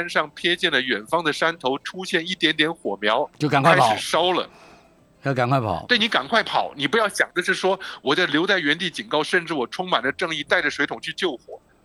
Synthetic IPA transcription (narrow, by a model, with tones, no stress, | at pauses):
nʂɑ˥˩ŋpʰjɛ˥t͡ɕjɛ˥˩nlə˩ɥɛ˨˩nfɑ˥ŋd̪ə˨ʂa˥nt̪ʰo˧˥ʊʈ͡ʂʰu˥ɕjɛ˥˧ni˥˩t̪jɛ˧˥nt̪̬jɛ˧˥nxwɔ˨˩mjɑ˧˥ʊt͡ɕjo˥˩ka˨nkwa˥ɪʂɻʂɑ˥ʊlə̰˨˥˧ | ka˨˩nkʰwa˥˩ɪpʰɑ̰˨˧˦t̪we˥˩ɪni˧˥ka̰˨˩nkʰwa˥˩ɪpʰɑ̰˨˩˦ʊni˨˩p̬u˧˥jɑ˥˩ʊɕjɑ˨˩ŋd̪ə˦ʂɻ̩˥˩ʂwɔ˥wɔ˨˩t͡sɑ˥˩ɪljo˧˥ʊt͡sa˥˩ɪɥɛ˧˥nt̪̬i˥˩t͡ɕi˨˩nkɑ˥˧ʊʂə˥˧nʈ͡ʂɻ̩˥˩wɔ˨˩ʈ͡ʂʰʊ˥ŋma˨˩nd̪ə˦ʈ͡ʂɤ˥˧ŋi˥˧t̪a˥˩ɪʈ͡ʂə˩ʂwe˧˥ɪt̪ʰʊ˨˩ŋt͡ɕʰy˥˧t͡ɕjo˥˩ʊxwɔ̰˨˩˦